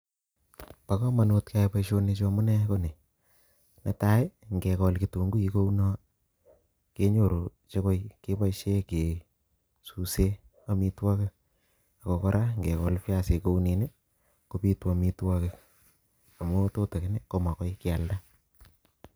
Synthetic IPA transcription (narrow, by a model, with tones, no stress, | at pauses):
pa˦kɔ˦ma˨no˧t̚ka˦jpa˦ʃo˦ne˧t͡ʃo˧mʊ˦nɛ˦ko˦ne˨ | na˨ta˦e˦ŋɡe˨kɔ˧lki˨to˨ŋɡu˦i˧ko˦u˦nɔ˦ | ke˦ɲo˨ɾo˨ | t͡ʃe˦ko˦jke˦pa˦iʃe˦ke˨ | su˨se˦ | a˦mi˦twa˦ke˦ | a˨kɔ˨kɔ˦ɾʔa˦ŋɡe˨kɔ˨lfa˦se˧ko˦u˦ne˨ne˦ | ko˦pi˦twa˨mi˦twa˦ke˨ | a˨mo˦to˦te˨ke˦ne˦ko˦ma˨kɔ˦jkɪa˨lda˦